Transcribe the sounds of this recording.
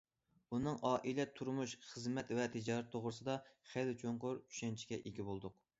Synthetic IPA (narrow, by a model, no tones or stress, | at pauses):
unɨŋʔɑːʔilɛt̪ʰːuɾmuʃχəzmɛt̪vɛt̪ʰɪd͡ʒɑɾɛt̪ʰːoʁɾɨsɨd̪ɑχælt͡ʃʰoɴqʊɾy̥ʃɛnt͡ʃʰi̥ɡʲɛʔiɡʲibolˠd̪ʊq